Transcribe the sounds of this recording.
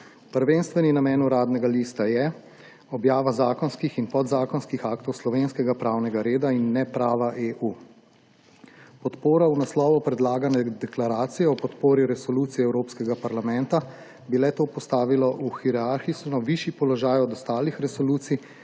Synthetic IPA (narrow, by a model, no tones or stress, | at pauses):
pəɾʋeːnst̪ʋɛninamɛːnuɾaːd̪nɛɡaliːst̪ajɛ | ɔbjaːʋazaːkɔnskixinpɔd̪zaːkɔnskixaːkt̪ɔwslɔʋenskɛɡapɾaːwnɛɡaɾeːd̪ainːɛpɾaːʋaʔeʔuː | pɔt̪poːɾawnaslɔːʋɔpɾɛd̪laːɡanɛd̪ɛklaɾaːt̪sijɛɔpɔt̪poːɾiɾɛsɔluːt̪sijɛwɾoːpskɛɡapaɾlamɛnt̪a | bilɛt̪oːpɔst̪aːʋilɔʔuxiɾɛaɾxisnɔʋiːʃjipɔlɔʒaːjɔd̪ɔst̪aːlixɾɛsɔluːt̪sij